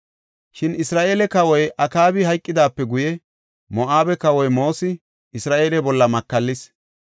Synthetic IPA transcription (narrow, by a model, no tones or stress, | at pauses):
ʃɪnɪsɾaːʔe̞ːlɛkɐwɔjʔɐkaːbɪhɐjkʼːɪd̪aːpːɛɡʊjɛ | mɔʔaːbɛkɐwɔjmo̞ːsɪ | ɪsɾaːʔe̞ːlɛbɔlːɐmɐkːɐlːɪs